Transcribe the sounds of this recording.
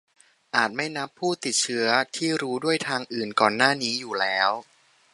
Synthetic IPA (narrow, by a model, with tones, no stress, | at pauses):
ʔaː˨˩t̪̚ma˥˩jna˦˥pʰːuː˥˩t̪i˨˩t̪̚t͡ɕʰɯ˦˥ɐt̪ʰiː˥˩ɾuː˦˥du˥˩əjt̪ʰaː˧ŋʔɯː˨˩nkɔː˨˩nːaː˥˩niː˦˥juː˨˩lɛː˦˥w